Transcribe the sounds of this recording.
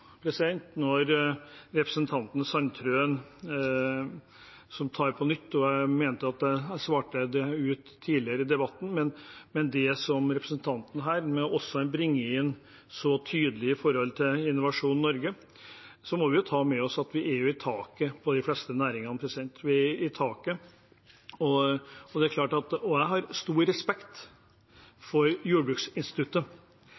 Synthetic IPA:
pʰɾɛsɪd̪ɛnt̪nɔɾɾɛpɾəsən̩t̪ʰɑnt̪nsɑnt̪ʰɾøːən | sɔmt̪ʰɑːɾpʰɔnʏt̪ːɔmeːnt̪əɑt̪̚d̪ɛsʋɑːʈəd̪ɛʉːt̪ʰːiːlɪəɾəɪd̪ɛbɑt̪ːn̩mɛnmɛnd̪ɛsɔmɾɛpɾəsənt̪ʰɑnt̪n̩əɦæːɾmɛɔʔɔsːɔɛnbɾɪŋːəɪn | sɔt̪ʰyːd̪əlɪɪfɔɾhɔlt̪ʰɪlɪnːʊʋɑʂuːnnɔɾɡə | sɔmɔʋɪjʊt̪ʰɑːmɛɔsɑt̪ʋɪʔæɾjʊɪt̪ʰɑːkəpʰɔd̪ɪflɛst̪ənæːɾɪŋɑnəpʰɾɛsɪd̪ɛnt̪ʋɪæɪt̪ʰɑːkə | ɔɔd̪ɛæɾkʰlɑːʈɑt̪ɔjæɪɦɑɾst̪uːɾɛspɛkt̪ | fɔɾjuːəbɾʉksɪnst̪ɪt̪ʉt̪ːə

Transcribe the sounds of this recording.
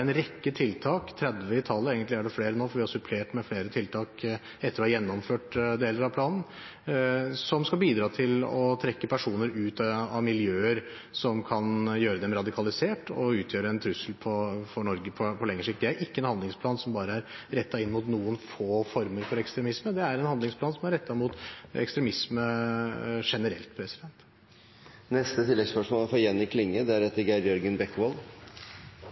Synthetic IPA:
ɛnɾɛkːət̪ʰɪlt̪ʰɑːkt̪ʰɾɛd̪ʋəɪt̪ʰɑlːəeːɡənt̪lɪæɖɛfleːɾənoːfɔɾʋɪhɑɾsʉpʰleːʈmɛfleːɾət̪ʰɪlt̪ʰɑːk | ɛt̪ːəɾɔhɑjɛnːɔmføːʈd̪eːləɾɑʋpʰlɑːnn̩ | sɔmskɑlbiːd̪ɾɑːt̪ʰɪlɔt̪ʰɾɛkːəpʰæʂuːnəɾʉːt̪ɑʋmɪljøːəɾ | sɔmkʰɑnjøːɾəd̪ɛmɾɑd̪ɪkʰɑlɪseːʈɔ̰ʉːt̪ʰjøːɾəɛnt̪ʰɾʉsəlpʰɔfɔɳɔɾɡəpʰɔpʰɔlɛŋːəʂɪkt̪̚d̪ɛæɾɪkːəɛnhɑnd̪ɪŋspʰlɑːnsɔmbɑːɾəæɾɾɛt̪ːɑɪnːmʊt̪nuːənfoːfɔɾməɾfɔɾɛkst̪ɾɛmɪsməd̪ɛæɾɛnhɑnd̪ɪŋsplɑːnsɔmæɾɛt̪ːɑmʊt̪ɛ̰kst̪ɾɛmɪsmə | ʂɛnəɾɛ̰lt̪pʰɾɛsɪd̪ɛnt̪ | nɛst̪ət̪ɪlːɛɡspœʂmoːlfɔjɛnːɪkʰlɪŋːəd̪ɛæɾhɛt̪ːəɾɡæɾjœɾɡənbɛkːʋoːl

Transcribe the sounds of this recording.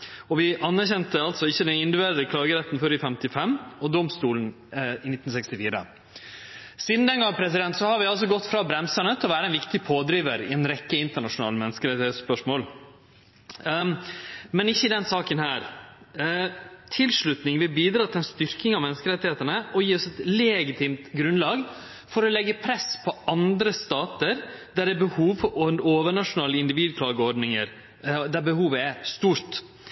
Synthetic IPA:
ɔʋɪʔɑnːæɾçɛnt̪əɑlt̪sɔɪçːəd̪ɛnɪnd̪ʉʋeːɾd̪əkʰlɑːɡəɾɛt̪ːnfɔɾɪfɛmt̪ɪfɛmːɔd̪ɔmst̪uːlən̩ | ɪnɪt̪ːn̩sɛkst̪ɪfiːɾə̰ | siːd̪n̩d̪ɛnɡɑŋəpʰɾɛsɪd̪ɛnt̪sɔhɑɾʋɪɑls̬ɔɡɔt̪ːfɾɑːbɾɛmsəɳət̪ʰɪlɔʋæːɾəɛnʋɪkt̪ɪpʰoːd̪ɾiːʋəɾɪɛnɾɛkːəɪnt̪əɳɑʂʊnɑ̰ːləmɛnəskəɾɛt̪ːɪheːt̪spœʂmoːl | mɛnɪçːəɪd̪ɛnsɑːkənhæːɾ | t̪ʰɪlʂɭʉt̪nɪŋʋɪlbiːd̪ɾɑːt̪ʰɪlɛnst̪ʏɾkɪŋɑʋmɛnəskəɾɛt̪ːɪheːt̪ənəɔjiːɔsɛt̪leːɡɪt̪ʰiːmt̪ɡɾʉnlɑːɡ | fɔɾɔlɛɡːəpʰɾɛspʰɔʔɑnd̪ɾəst̪ɑːt̪əɾd̪æɾɛbəhuːʋfʔɔoːʋəɳɑʂʊnɑːləɪnd̪ɪʋiːd̪̚kʰlɑːɡəɔɾɖnɪŋəɾ | d̪æɾbəhuːʋəɛst̪uːɾt̪

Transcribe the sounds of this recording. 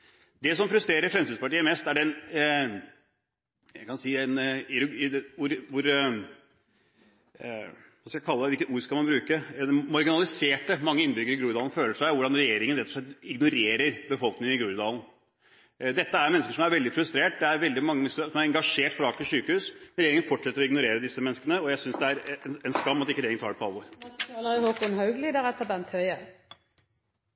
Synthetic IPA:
d̪ɛsɔmfɾʉst̪ɾeːɾəɾfɾɛmsɪd̪spɑʈiːəmɛst̪æɖɛn | ækʰɑnsiːænɪɾʊʊɾʋʊɾ | ʋɑːskɑækʰɑlːəɛʋɪlkət̪uːɾskɑlmɑnbɾʉːkəmɑɾɡɪnɑlɪseːʈəmɑŋːəɪnbʏɡəɾɪɡɾuːɾd̪ɑːlnføːləʂæɪʋʊɖɑnɾɛjeːɾɪŋənɾɛt̪ʰːɔ̥ʂɭɛt̪ːɪɡnʊɾeːɾəɾbəfɔlknɪŋənɪɡɾuːɾd̪ɑːln | d̪ɛt̪ːəæɾmɛnːskəʂɔmæɾʋɛld̪ɪfɾʉst̪ɾeːʈ̚d̪ɛæɾʋɛld̪ɪmɑŋːɛsəsɔmæɾɛŋɡɑʂeːʈfɾɑɑːk̚t̪ɪsyːkəhʉːsɛnɾɛjeːɾɪŋənfɔʈʂɛt̪ːəɾɔɪɡnʊɾeːɾəd̪ɪsːəmɛnːskənəɔjæɪsʏnsd̪ɛæɾnɛnskɑmːɑt̪ːɪkːəɾeːɾɪŋnʰɑːɖɾɛpʰɔɑlʋɔɾɑləʁɪhokʊnhɑʉɡliːd̪əʁɛt̪ːəbɛnt̪ʰœʏə

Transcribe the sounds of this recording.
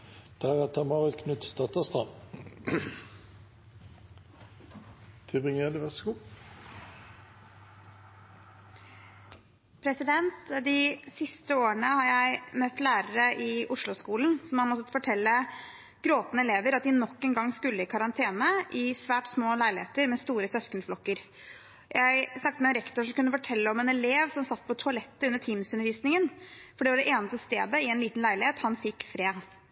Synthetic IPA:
d̪̥æʁæt̪ʰəmɑːʁʋəlkʰnʉt̪st̪ɑt̪əst̪ʁɑ | t̪ʰɪbɪŋəd̪əʋɛsɡu | pʰɾɛsɪd̪ɛnt̪d̪ɪsɪst̪əoːəɳəhɑɾjæɪmœt̪ːlæːɾəɾəʔɪʔʊʂlʊskuːln̩sɔmhɑnmɔt̪ːət̪fɔʈʰɛlːə | ɡ̥ɾoːt̪nəɛleːʋəɾɑt̪̚d̪ɪnɔkːɛnɡɑŋːskʉlːəɪkʰɑɾɑnt̪ʰeːnəʔɪsʋæːʈsmoːlæɪlɪheːt̪əɾmɛst̪uːɾəsœskənflɔkːəɾ | jʔæɪsnɑk̚ːt̪əmɛnɾɛkt̪ʊʂɔmkʉnːəfɔʈʰɛlːəɔmɛnɛleːʋsɔmsɑt̪ːpʰɔt̪ʰʊɑlɛt̪ːəʉnːəʈʰiːmsʉnəɾʋiːsnɪŋənfɔɖɛʋɑɖɛʔeːnəst̪əst̪eːd̪əɪɛnliːt̪n̩læɪlɪheːt̪hɑnfɪkːfɾeː

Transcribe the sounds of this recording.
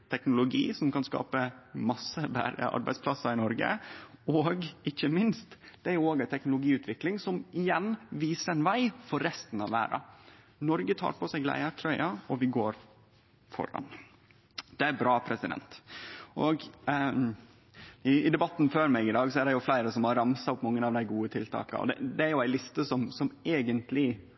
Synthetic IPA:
t̪ʰɛknʊlʊɡḭːsɔmkʰɑnskɑ̰ːpəmɑsːəbæ̰ɾə̰ʔɑ̰ɾbæɪspʰlɑsːəɾɪnɔɾɡə̰ɔːɡɪçːəmɪnst̪d̪̥æjʊoːɡæt̪ʰɛknʊlʊɡiːʉːt̪ʰʋɪklɪŋsɔmɪjɛnːʋiːsəɛnʋæɪfɔɾːɛst̪n̩ɑ̰ʋæ̰ːɾɑ̰ | nɔɾɡət̪ʰɑ̰ːɾpʰɔsæɪɡlæ̰ɪɑʈʰɾœʏɑɔʋɪɡoːɾ | fɔ̰ɾɑ̰n | d̪̥ɛæɾbɾɑːpʰɾɛsɪd̪ɛ̰nt̪ʔɔɡ | ɪɪd̪ɛbɑt̪ːnføːɾmɛɡɪd̪ɑːɡsɔæɾɖɛjʊflæɪɾəsɔmhɑɾːɑmsɑʊpmɑŋːənɑʋd̪æɪɡuːət̪ʰɪlt̪ʰɑ̰ːkɑ̰ɔ̰d̪ɛ̰d̪ɛæɾjʊæɪlɪst̪əsɔmsɔmeːɡənt̪lɪ

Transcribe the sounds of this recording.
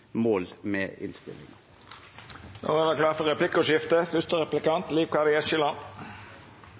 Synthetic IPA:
moːlmeːɪ̰nst̪ɪ̰lɪ̰ŋ | no̰ːʋɑd̪ɛklɑːfɔʁɛplɪkːʊʃɪft̪əfʏst̪əʁɛplɪkɑnt̪liːʋkɑd̪ɪɛʃɪlɑn

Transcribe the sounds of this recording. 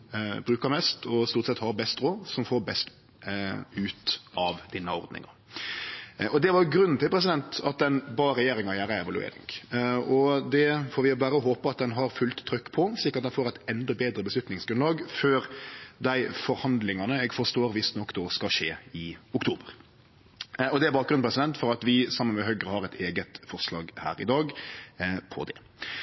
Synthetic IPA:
bɾʉːkəmɛst̪ʰɔst̪uːɾt̪sɛt̪hɑɾbɛst̪ɾoːsɔmfoːɾbɛst̪ | ʉːt̪ɑʋd̪inːəɔ̰ɾd̪nɪ̰ŋɑ̰ | ʔɔd̪ɛʋɑɾɡɾʉnːn̩t̪ɪlpʰɾɛs̬ɪd̪ɛnt̪ɑt̪̚d̪ɛnbɑːɾɛjeːɾɪŋɑjæːɾəɛʋɑlʉ̰ḛːɾɪ̰ŋɡɔd̪ɛfoːɾʋɪbæːɾəɔɦoːpɑɑt̪̚d̪ɛnɦɑɾfʉlt̪ʰːɾʏkːpʰɔslɪkːɑt̪d̪ɛnfoːɾɛɪt̪ɛnd̪ɔbeːd̪ɾəbəslʉt̪nɪŋsɡɾʉnɑːɡføːɾd̪æɪfɔɾhɑnd̪lɪŋɑnəɛɡfɔɾʂt̪oːɾʋɪsnɔkːd̪ɔskɑʃeːɪʊkt̪ʰuːbəɾ | ɔd̪ɛæbɑːkɡɾʉnpɾɛsɪd̪ɛnt̪fɔɾɑt̪ʋɪsɑmːənmɛɦœɡɾəhɑɾɛɪt̪ʰeːɡət̪fɔɾslɑ̰ːɡhæ̰ːɾɪ̰d̪ɑːɡ | pʰɔ̰d̪ɛ̰

